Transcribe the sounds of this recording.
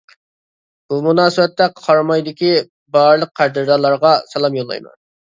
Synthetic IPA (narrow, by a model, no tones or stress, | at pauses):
b̥umunɑːsɨbɛt̪ːɛqʰɑɾmɑjd̪ɪkʲi | bɑɾlˠəq̚ʰːæɾd̪ɨɾd̪ɑlˠɑɾʁɑsɛlˠɑmjolˠːɑ̰jmɑ̰n